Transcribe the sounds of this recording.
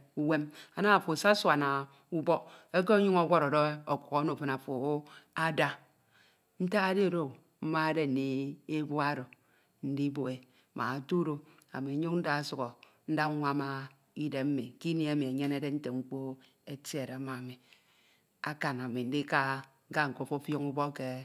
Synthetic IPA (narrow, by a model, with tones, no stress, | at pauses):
u˦we˦ma˨na˦a˨fo˨sa˦swa˨na˨ | u˦bɔ˦ke˦k̬e˦o˦ɲu˦ŋo˦ɡʷɔ˦ɾɔ˨do˦e˦o˨kʷu˨ɣo˨˦no˨fe˦na˨fo˨˦a˦da˦ | n̩˦ta˦a˦de˦˨ɾo˦ | m̩˦ma˦e˦de˦n̩˨ni˦e˦bu˦a˦ɾo˨ | n̩˦di˦bo˨e˨ | mʔa̰˨a˨to˦ɾo˦ | a̰˨mi˨˦ɲu˦kn̩˦da˦su˨ɣo˨ | n̩˦da˦ŋʷa˦ma˦ | i˦de˨m̩˦mi˨˦ki˦ni˦a˨mi˨e˨ɲe˦ne˦de˦n̩˦te˨ŋ͡m̩˦k͡po˦ | e˦ti˦e˨ɾe˨˦ma˨mi˨ | a˦ka˨na˨mi˨n̩˦di˦ka˦ | ɡa˦ŋ̩˨ko˦˨fo˦fjo˦ŋu˦bɔ˦ke˦